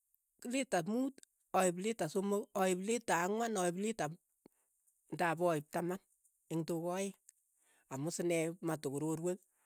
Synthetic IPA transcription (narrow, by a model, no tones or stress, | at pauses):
kɪlɪtamuːt | ɔɪblɪtasomokɔɪblitaːŋwanɔɪblita | ndabɔɪp̚taman | eŋtokɔɪ | amʊsɪnɛmatukuɾoɾwek̚